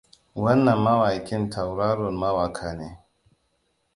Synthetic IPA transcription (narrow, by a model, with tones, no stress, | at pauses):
wɐ˦nːɐ˨mːɐ˦waː˨kʲɪ˦ntʰa˨wɾaː˦ɾɔ˨nma˦waː˨kʰaː˨neː˦